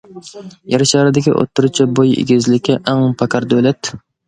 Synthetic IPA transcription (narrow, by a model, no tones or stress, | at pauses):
jaɾɪʃɑɾɪd̪ɪkʲḭʔo̰t̪ʰːʊɾut͡ʃʰabojɪ̰ɡʲɪzlɪkʲːɛʔaŋpʰɑkʲʰɑɾd̪olɛt̪